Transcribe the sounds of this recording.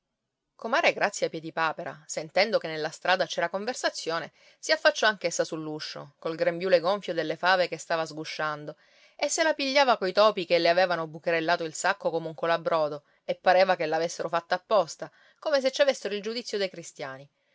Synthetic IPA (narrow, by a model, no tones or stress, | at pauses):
komaːɾeɡɾat̪sjapjɛd̪ipaːpeɾa̰sent̪ɛnd̪okenːelːast̪ɾʔaːd̪at͡ʃɛːɾakoɱversat̪sːjoːne | siafːat͡ʃːɔaŋkesːasulːuʃːo̰kolɡɾembjuːleɡoɱfjod̪elːefaːvekest̪aːvazɡuʃːand̪o | esːelapiʎːaːvakojt̪ɔːpikelːeaveːvanobukeɾelːaːt̪oilsakːokomeuŋkolabɾɔːd̪o | epːaɾeːvakelːavesːeɾofat̪ːaːpːɔst̪a | komes̬et͡ʃːavesːeɾoild͡ʒud̪it̪sːjod̪ejkɾist̪jaːni